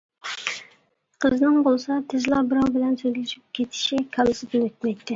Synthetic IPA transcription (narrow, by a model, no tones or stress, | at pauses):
qʰəznɨŋbolˠɨsɑt̪ʰɪzlˠɑbɨɾɑwbɪlɛnsøjɡʲɪʃyp̚kʲʰet̪ʰɪ̥ʃikʲʰɑlˠɨsɪd̪ɪnøt̪̚mɛjt̪ʰːɪ